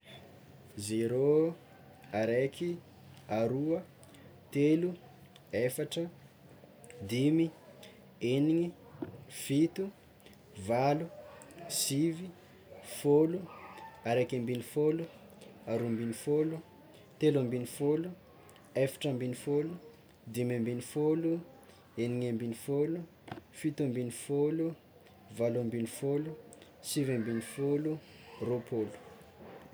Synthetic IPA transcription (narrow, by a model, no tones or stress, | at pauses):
zeɾo | aɾekʰi | aɾuə | t̪elu | efaʈ͡ʂə | d̪imi | eniŋi | fit̪u | valusivi | foluaɾekʲambinifolu | aɾumbinifolu | t̪elambinifolu | efi̥ʈ͡ʂambinifolu | d̪imambinifolu | eniŋembinifolu | fit̪ambinifolu | valambinifolu | sivambinifolu | ropʰolu̥